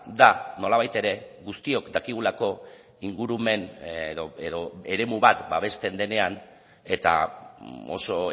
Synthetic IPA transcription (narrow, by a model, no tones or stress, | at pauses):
d̪ano̞laβ̞ajt̪e̞ɾe̞ɣust̪io̞kd̪akiɣulako̞ | iŋɡuɾume̞nðoeðo̞e̞ɾe̞muβat̪baβ̞e̞st̪e̞nd̪e̞ne̞an | e̞t̪a̰ | o̞̰so̞